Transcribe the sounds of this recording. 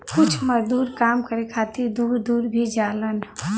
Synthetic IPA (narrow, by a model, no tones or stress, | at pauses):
kʊt͡ʃʰməɾd̪uːɾkaːmkəɾekʰaːt̪iɾd̪uːɾd̪uːɾbʱid͡ʒaːlən